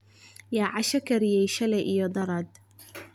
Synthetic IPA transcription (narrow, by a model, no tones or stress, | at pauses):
jaːʕɑʃɐkʰɐɾɪjɛjʃɐlɛjʔijɔd̪ɐɾɐd̪